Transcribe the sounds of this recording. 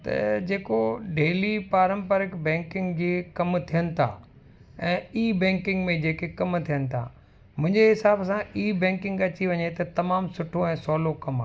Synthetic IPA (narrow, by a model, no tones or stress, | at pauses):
t̪ɐ̰d͡ʑeːkoɖeːlipaːɾə̃mpəɾɪkbɛ̃ːŋkɪ̃ŋɡd͡ʑekɐmt̪ʰijənɪ̆t̪ʰa̰ː | ɛ̃ːiːbɛ̃ːŋkɪ̃ŋɡmẽd͡ʑeːkekɐmt̪ʰijənɪ̆t̪ʰa̰ː | mʊ̃ɦɪ̃ɲd͡ʑeɦɪsaːbsãiːbɛ̃ːŋkɪ̃ŋɡɐt͡ɕiʋɐɲet̪ɐt̪ɐmaːmsʊʈʰoɛ̃ːsɔːlokɐma̰ː